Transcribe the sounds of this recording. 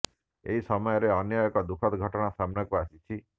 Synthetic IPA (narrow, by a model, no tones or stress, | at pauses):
ḛɦisɔmɔjɔɾeɔnjɔekɔd̪ukʰɔt̪ɡʱɔʈɔɽ̃asamnɔkuasit͡ʃʰi